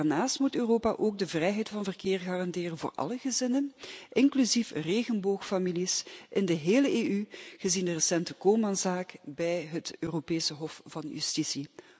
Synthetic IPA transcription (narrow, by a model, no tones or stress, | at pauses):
arnaːstmutøːroːpaʔoːɡ̚dəvrɛjɦɛjtfɑnvərkɪːrɣaːrɑndɪːrənvo̰ːrɑ̰ləɣəzɪnənʔɪŋklyzifreːɣənboːxfamilisʔɪndəɦeːləʔeːyɣəzindərəsɛntəkoːmɑnzaːkbɛjɦətøːropeːsəɦɔfvɑnjy̰stisi